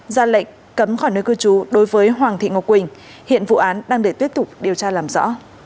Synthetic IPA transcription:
zaː˧˩la̰˧˨ŋ̟ | kə˨˦mxɔ˧˩jnəː˨˦jkɨ˧t͡ɕu˨˦ɗo˨˦jvəː˨˦jɦwaː˨˩ŋt̪ʰḭ˧˨ŋo˨˩kwï˨˩ŋ̟ | hḭ˧˨ənvṵ˧˨ʔaː˨˦nɗaː˧ŋɗe˧˩t̪wi˦˥ət̚t̪ʊ˨˩k͡p̚ɗe˨˩əwt͡ɕaː˧laː˨˩mzɔ̰˧˥

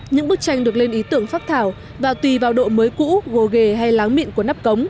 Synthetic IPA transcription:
ɲɨ̰˧˥ŋɓɨ˦˥k̚t͡ɕa˧jŋɗɨ˨˩ək̚le˧nʔi˨˦t̪ɨ˧˩əŋfaː˦˥t̚t̪ʰaː˧˩w | vaː˨˩t̪wi˨˩vaː˨˩wɗo̰˧˨məː˨˦jkṵ˧˥ɣo˨˩ɣe˧˨˩ɦa˧jlaː˨˦ŋmḭ˧˨nku˧˩əna˦˥p̚kə˨˦wŋ͡m

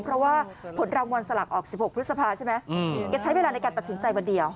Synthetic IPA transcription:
ŋpʰɾɔ˦˥waː˥˩pʰo˩˦nɾaː˧ŋwa˧nsa˧la˨˩k̚ʔɔː˨˩k̚si˨˩p̚ho˨˩p̪̚ʰːspʰaː˧t͡ɕʰa˥˩jma˦˥jka˧t͡ɕʰa˦˥jweː˧laː˧na˧jkaː˧nt̪t̪̚si˩˦nt͡ɕa˧jwa˧ndi˧əw

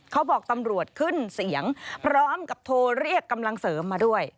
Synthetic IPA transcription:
kʰa˦˥wbɔː˨˩k̚t̪a˧mɾu˨˩ət̪̚kʰɯ˥˩nsi˩˦əŋpʰɾɔː˦˥mka˨˩p̚t̪ʰoː˧ɾi˥˩əkːa˧mla˧ŋsɤː˩˦mːaː˧du˥˩əj

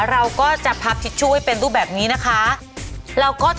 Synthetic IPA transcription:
ɾa˧wkɔː˥˩t͡ɕa˨˩ʔpʰa˦˥p̚t̪ʰi˦˥t̪̚t͡ɕʰu˥˩hjpe˧nɾuː˥˩bɛː˨˩p̚niː˦˥na˦˥kʰa˦˥ | ɾa˧wkɔː˥˩t͡ɕ

